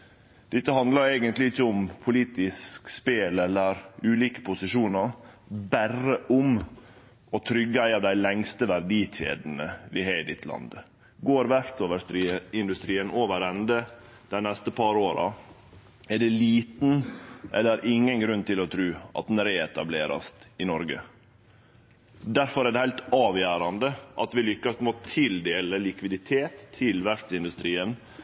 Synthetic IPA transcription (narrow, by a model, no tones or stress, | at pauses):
d̪̥ɪt̪ːəɦɑnd̪lɑɾeːɡənt̪lɪɪçːəʊmpʰʊliːt̪ɪskspeːlɛlːəɾʉːliːkə̥pʰʊsɪʂuːnəɾ | bærəʔʊm | ɔt̪ʰɾʏɡːəæɪɑʋd̪æɪlɛŋst̪əʋæɾɖiːc͡çḛːd̪n̩əʋɪɦeːd̪ɪt̪ʰlɑ̰nd̪ə | ɡoːɾʋæɾt̪soːʋəɾiɪnd̪ʉst̪ɾiːənoːʋəɾɛnd̪ə | d̪ɛnɛst̪əpʰɑɾoːɾɑ̰ | ɛɖɛliːt̪n̩ʔɛlːəæɾʔɪŋːənɡɾʉnːt̪ɪlɔt̪ʰɾʉːɑ̰t̪̚d̪nɾeːɛt̪ɑ̰bleːɾɑ̰st̪ɪnɔɾɡə̰ | d̪æɾfɔɾæɖ̪ɛhæɪt̪ɑːʋjæːɾɑnd̪əʔɑt̪ʋɪlʏkːɑst̪moːt̪ʰɪld̪eːləlɪkʋɪd̪ɪt̪ʰeːt̪ʰːɪlʋæɾft̪sɪnd̪ʉst̪ɾiːən